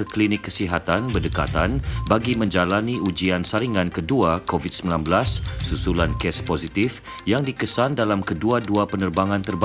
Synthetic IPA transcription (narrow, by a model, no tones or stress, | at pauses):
əklinɪkːəsiɦat̪anbərdəka̰t̪anbaɡimə̃ɲd͡ʒalaniud͡ʒiansaɾiŋãnkəduakovit̪̚səmilanbəlasːusulankɛspozit̪if | jaŋdikəsandalamkəduaduapənərbaŋãnt̪ərb